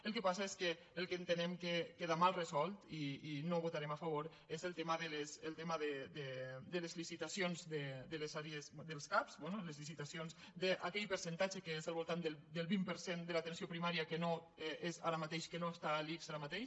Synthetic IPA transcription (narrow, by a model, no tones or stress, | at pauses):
əlˠkəpasaeskəː | lˠkəent̪ənɛmkekeðamalˠrezɔlˠt̪iːnoβut̪aɾemafəβ̞oɾ | ezəlˠt̪eməðəlesəlˠt̪eməðəd̪əd̪əlezlisit̪asionzd̪əd̪əlezaɾjezd̪əlˠskapzbonoləzlisit̪asionzd̪əʔakɛʎpəɾsənt̪ad͡ʒəkəezəlˠβolˠt̪and̪əld̪əlˠβimpəɾsend̪əlat̪ensiopɾimaɾiəkəno | ɛʔeza̰ɾamat̪eʃkənoest̪alikzaɾamat̪eʃ